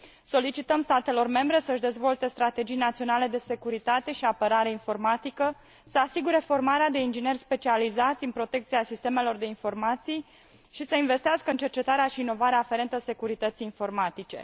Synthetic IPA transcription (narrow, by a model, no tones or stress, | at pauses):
so̞lit͡ʃit̪əmst̪at̪e̞lo̞rme̞mbɾe̞səɨʃd̪e̞zvo̞lt̪e̞st̪ɾat̪e̞d͡ʒijnat̪sio̞nale̞d̪e̞se̞kuɾit̪at̪e̞ʃiapəɾaɾeinfo̞rmat̪ikə | səasiɡuɾe̞fo̞rmaɾead̪e̞ind͡ʒine̞rʲspe̞t͡ʃializat̪sʲɨnpɾo̞t̪e̞k̚t̪siasist̪e̞me̞lo̞rd̪e̞info̞rmat̪sij | ʃisəinve̞st̪iaskəɨnt͡ʃe̞rt͡ʃe̞t̪aɾeaʃiːno̞vaɾeaːfe̞ɾe̞nt̪əse̞kuɾit̪ət̪siːnfo̞rmat̪it͡ʃe̞̰